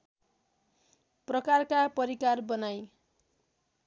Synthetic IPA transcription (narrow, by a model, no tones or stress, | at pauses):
prʌkarkapʌɾikarbʌnaj